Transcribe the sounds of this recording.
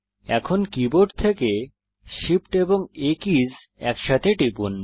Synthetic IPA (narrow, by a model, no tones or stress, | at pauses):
ɛkʰonkiboɖt̪ʰeke | ʃipʈeboŋekid͡ʑ | ɛkʃat̪ʰeʈipun